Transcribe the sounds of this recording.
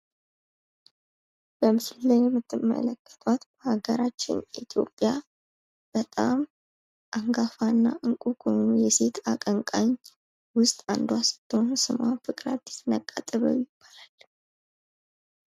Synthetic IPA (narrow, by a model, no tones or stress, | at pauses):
bəmɨsɨlːəjjɛmːɨt̪ʰːɨmːə̰ləkʼːə̥t̪ʼwat̪bəhaɡəɾat͡ʃːɪ̰njit̪ʰjo̞̰pʼːja | b̥ət̪ʼam | ʔaŋɡafanːaʔɨŋkʼukʰonujɛse̞t̪ʰakʼəŋkʼaɲ | wʊst̪ʼand̪wasɨ̥t̪ːɨhonsɨmafɨkʼɾad̪ːi̥snəkʼːat̪ʼəβə̰wjɪb̥ːalal